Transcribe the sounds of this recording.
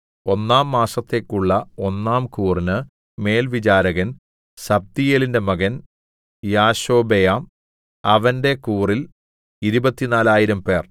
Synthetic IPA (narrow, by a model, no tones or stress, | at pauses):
o̞nːaːmːaːsɐt̪ːe̞kːuɭːɐo̞nːaːmkuːrinɨ | me̞ːlʋid͡ʑaːɾɐɣɐn | sɐb̚d̪ijeːlinde̞mɐɣɐn | jaːɕo̞ːbejam | ɐʋɐnde̞kuːril | iɾubɐt̪ːinaːlaːjiɾɐmpe̞ːr